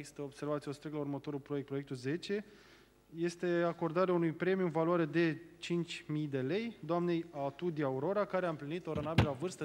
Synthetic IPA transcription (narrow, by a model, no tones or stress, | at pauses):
t̪əob̥se̞rvat̪sieo̞st̪ɾekt̪laurmət̪o̞ɾulpɾojek̪̚pɾojek̚t̪ulze̞t͡ʃe̞ | je̞st̪e̞ako̞rd̪aɾeaunujpɾe̞miuɨnvaloaɾe̞d̪e̞t͡ʃint͡ʃʲmijd̪e̞le̞jd̪oamne̞jat̪ud̪iauɾo̞ɾakaɾeaɨmplinit̪oɾonabelavɨrst̪ə